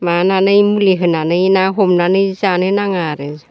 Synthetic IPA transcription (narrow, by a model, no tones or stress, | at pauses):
mananɯjmuliɦɯnanɯjnaɦomnanɯjzanɯnaŋaɾez